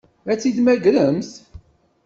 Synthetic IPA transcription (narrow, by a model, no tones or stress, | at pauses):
æt͡sːid̪mæɡɾəmθ